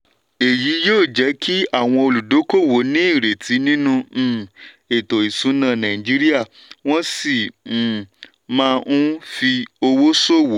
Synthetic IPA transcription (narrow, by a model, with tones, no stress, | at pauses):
e˨ji˨˦joː˦˨d͡ʒɛ˨˦kʰi˦a˦˨w̃ɔ̃˧o˧lu˨do˨˦ko˦˨wo˨˦nĩ˦i˦˨ɾe˨tʰi˨˦nĩ˦nũ˧˨ | e˨to˨i˨sũ˨˦nã˦˧˨nã˨ĩ˨d͡ʒi˨˦ɾi˦a˦˨ | w̃ɔ̃˦si˦˨ | mãː˦˧ũ˦fi˧o˧wo˦so˦˨wo˨˦